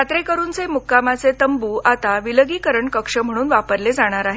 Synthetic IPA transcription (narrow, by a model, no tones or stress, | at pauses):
at̪ɾekəɾuːnt͡semukːamat͡set̪əmbuːʔat̪aʋiləɡiːkəɾəɳkəkʂəm̤əɽ̃uːnʋapəɾled͡zaɽ̃aɾaɦe